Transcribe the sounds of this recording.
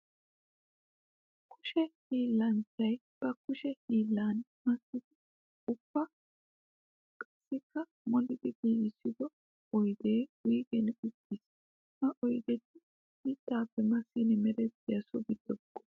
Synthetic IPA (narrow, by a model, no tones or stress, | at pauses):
kʰʊʃɛhiːlːɐnt͡ʃɐj | b̥ɐkʊʃɛhiːlːaːnmɐsːɪd̪ɪ | ʊb̥ːɐ | kʼɐsːɪkːɐ | mɔnɪd̪ɪɡ̪iːʔɪsːɪd̪ɔ | ɔjd̪eːwiːɡɛnʊt̪ːis | mɐʔɔjd̪ɛt̪ːɪ | hiːt̪ːaːpːɛmɐsːinɛmɛɾɛt̪ːɪjɐsɔbɪd̪ɔɡːɔ̥